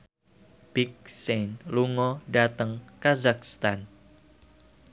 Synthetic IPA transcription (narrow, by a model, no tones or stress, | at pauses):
b̥ik̚sɛnluŋɔɖat̪əŋkazaki̥st̪an